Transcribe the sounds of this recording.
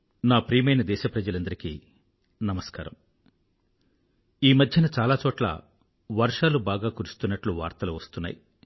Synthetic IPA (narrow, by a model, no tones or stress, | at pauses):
naːpɾiːmɐjnɐd̪ɛːʃɐpɾɐd͡ʒɐlɐnd̪ɐɾikḭ | nɐmɐska̰ːɾɐ̰m | iːmɐd̪ʱjɐnɐt͡ʃaːlaːt͡ʃɔːʈlɐ̰ | ʋɐɾʂaːlubaːɡaːkuɾust̪unːɐʈluʋa̰ːɾt̪ɐluʋɐst̪unːa̰ːji